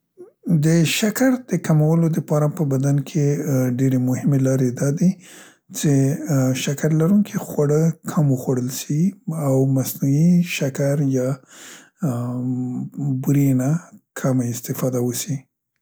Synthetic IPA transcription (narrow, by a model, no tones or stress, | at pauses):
d̪əʃakaɾd̪̥əkamawəlod̪əpɑɾapəbad̪ankʰeɖeɾemʊhɪmelɑɾed̪ɑd̪i | t͡ʃeʃakaɾlaɾuŋkʰixwaɽəkʰaməxwaɽəlʃiawmasnuiʃakaɾjɑ | buɾenakʰamaɪst̪ɪfɑd̪awəsi